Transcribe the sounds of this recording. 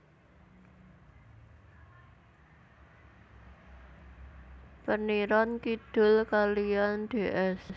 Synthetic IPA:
pəniɾɔnkid̪̥ʊ̤lkalijand̪̥e̤ʔɛs

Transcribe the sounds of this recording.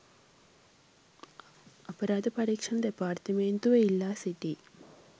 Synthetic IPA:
ɐpɐɾaːd̪ɐpɐɾiːkʂɐɳɐd̪epaːrt̪ɐmeːnt̪uʋɐilːasiʈːi

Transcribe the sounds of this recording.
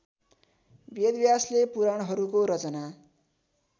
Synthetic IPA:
bjed̪bjaslepuɾaɽ̃ɦʌɾukoɾʌt͡sʌna

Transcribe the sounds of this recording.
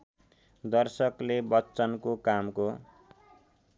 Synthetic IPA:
d̪ʌrsʌklebʌtːt͡sʌnkokamko

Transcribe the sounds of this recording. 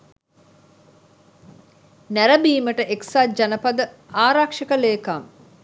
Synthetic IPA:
næɾəbiːməʈəʔeksad͡ʒanɐpɐd̪ə | aːɾakʂɐkəleːkam

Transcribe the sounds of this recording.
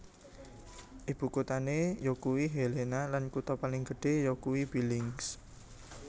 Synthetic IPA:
ʔib̥ṳkut̪anejokuwiɦelenalankut̪ɔpalɪŋɡə̤ɖ̥e̤jokuwibilɪŋs

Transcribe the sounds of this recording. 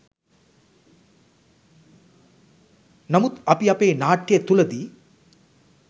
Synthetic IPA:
nɐmut̪ɐpiɐpeːnaːʈːijet̪ulɐd̪iː

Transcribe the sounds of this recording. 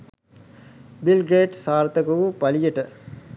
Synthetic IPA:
bilɡɾeːʈsaːɾt̪ɐkuʋupɐlijəʈə

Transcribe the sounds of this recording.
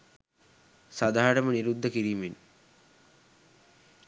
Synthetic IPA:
sad̪aːɾəməniɾud̪ʱːəkiɾiːmen

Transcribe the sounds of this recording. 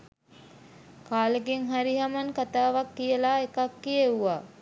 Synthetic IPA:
kaːleɡeŋɦaɾiɦamankat̪aːʋakːijəlaːekakːieuʋa

